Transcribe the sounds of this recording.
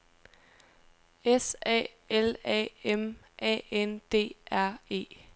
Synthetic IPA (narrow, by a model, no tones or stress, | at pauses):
esɛ̰ː | elɛ̰em | ʔɛ̰ːend̥e̝̰ːæɐ̰e̝̰ː